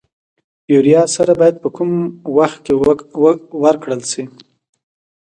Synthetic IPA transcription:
juɾijɑsaɾabɑjad̪̚pəkumwaxt̪̚ke | wəɾkɽəlsi

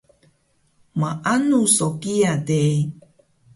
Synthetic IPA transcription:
maʔanusokiadej

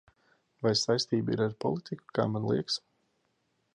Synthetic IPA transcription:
vajsajst̪iːbəḭɾaɾpɔ̰lˠit̪ʰiku̥ka̰ːmanlˠḭɛks

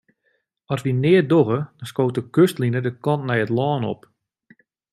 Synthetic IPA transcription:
ɔsʋinɪːədoɣəd̥ɔnskoːtəkøstlinədəkɔntnɛjətlɔːnɔ̰p

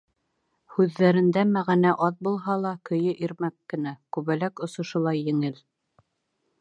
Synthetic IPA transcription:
hʉðːæɾɘ̆nd̪æmæʁænæʔɑðbulˠɦɑlˠɑkɵ̆jɘʔiɾmækːɘ̆nækʉβælækŏsŏʃŏlˠɑjːɘ̆ŋɘl

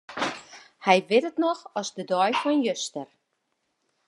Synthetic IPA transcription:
hɛjʋɪtətnɔxɔzdədɔjfɔnjøstər

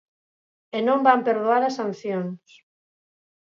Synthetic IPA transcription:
enõmbampeɾðoaɾɐsːan̟θjoŋs

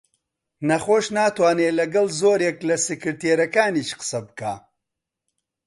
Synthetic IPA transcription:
nɐχoːʃnaːt̪waːneːlɐɡɐlˠzoːɾeklɐsɨkɨɾt̪eːɾɐkaːniːʃqɨ̥sɐbɨkaː

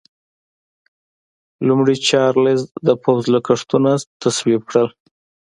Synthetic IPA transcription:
lumɽit͡ʃɑɾlezd̪əpʰawzlakaʂt̪unat̪aswib̚kɽəl

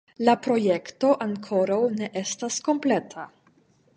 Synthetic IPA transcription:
lapɾo̞je̞kto̞ʔaŋkʰo̞ɾawne̞ʔestasko̞mple̞tʰa

